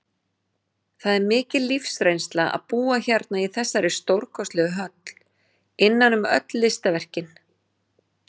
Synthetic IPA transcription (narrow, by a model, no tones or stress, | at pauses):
θaðɛɾmɪːcɪllifsɾejnst̪laa̰ðpuːaçaɾt̪naiθɛsːaɾɪst̪owɾkʰɔst̪lɛɣʏɦœt̪l̥ | ɪnːanʏmœ̰t̪lːɪst̪avɛr̥cɪn